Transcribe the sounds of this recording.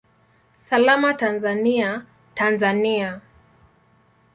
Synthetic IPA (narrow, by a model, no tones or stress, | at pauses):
salamatanzania | tanzania